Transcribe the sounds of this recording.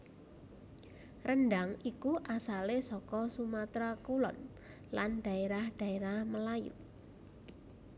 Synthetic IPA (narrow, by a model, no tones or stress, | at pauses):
rənɖaŋikuʔasalesɔkɔsumat̪ɾakulɔ̰n | lanɖ̥a̤eɾahɖ̥a̤eɾahməlajṵ